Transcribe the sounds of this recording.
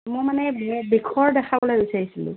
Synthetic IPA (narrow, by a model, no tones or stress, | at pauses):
mojmanɛmbikʰɔɹdɛkʰabɔlajusajisilʊ̰̃